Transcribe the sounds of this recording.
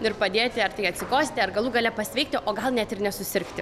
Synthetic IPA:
ʊɪɾpɐd̪ʲeːt̪ʲɪɐrt̪ɐɪɐt̪ʲsʲɪkoːsʲt̪ʲɪɐrɡɐlˠuːɡɐlʲɛpɐsʲʋʲɛɪk̚ʲt̪ʲɪʔoːɡɐlˠnʲɛt̪ɪrnʲɛsʊsʲɪɾkt̪ʲɪ

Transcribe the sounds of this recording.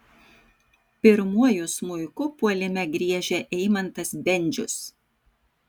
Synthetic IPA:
pʲɪɾmuɔjʊsmʊɪkʊpuɔlʲɪmʲɛɡɾʲiɛʒʲɛʔɛɪmɐnt̪ɐsbʲɛnʲˑd͡ʒʲʊs

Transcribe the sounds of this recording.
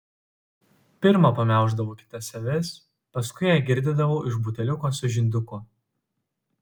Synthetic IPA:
pʲɪɾmɐpɐmʲæˑʊʒd̪ɐʋoːkʲɪ̥t̪ɐsʲɐʋʲɛs | pɐskʊɪjæːɡʲɪɾʲd̪ʲɪd̪ɐʋoːʔɪʃbʊt̪ʲɛlʲʊkoːsʲʊʒʲɪnʲd̪ʲʊkʊ

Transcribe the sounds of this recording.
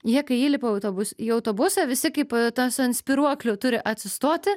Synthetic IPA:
jiɛkɐɪiːlʲɪpoːɐʊt̪oːbʊsʲiːɐʊt̪oːbʊsɐʋʲɪsʲɪkɐɪpt̪ɐsʊnsʲpʲiɾuɔklʲʊːt̪ʊɾʲɪʔɐt̪ʲsʲɪst̪oːt̪ʲɪ

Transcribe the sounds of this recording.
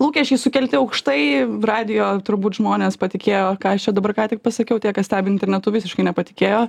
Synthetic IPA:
lˠuːkʲɛʃʲkʲɛɪsʊkʲɛlʲt̪ʲɪɐʊkʃt̪ɐɪrɑːd̪ʲɪjoːt̪ʊɾbuːt̪ʒmoːnʲeːspɐt̪ʲɪkʲeːjoːkɑːɐʃt͡ʃʲɛd̪ɐbɐrkɑːt̪ʲɪk̚pɐsɐkʲɛʊt̪ʲiɛkɐsʲt̪ʲæːbʲɪnʲt̪ʲɛrʲnʲɛt̪ʊʋʲɪsʲɪʃkɐɪnʲɛpɐt̪ʲɪ̥kʲeːjoː

